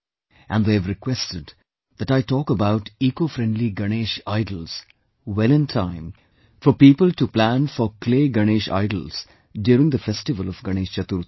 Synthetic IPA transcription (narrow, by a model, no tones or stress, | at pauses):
ʔæ̃nd̪eævɾɪkwɛsʈɪɖ | d̪æʈaɪʈɔːkəbaʊʈiːkofɾɛ̃ɳɖliɡəneːʃaɪɖəl̩z̥ | wɛlɪ̃ntʰãɪ̃m | fɔpiːpəlʈuplæ̃nfɔkʰleːɡʌneːʃa̰ɪɖəlz̥ | ɖjuːɾɪ̃ŋd̪əfɛsʈɪʋəlɔvɡʌñeːʃt͡ʃʌt̪uɾ